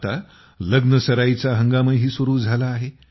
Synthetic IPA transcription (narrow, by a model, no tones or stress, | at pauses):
t̪a | ləɡnəsəɾait͡saɦəŋɡaməɦiːsuɾuːd͡zʱalaːɦe